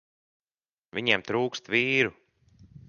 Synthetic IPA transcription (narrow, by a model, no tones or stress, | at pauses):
vʲiɲemt̪ɾuːkst̪viːɾu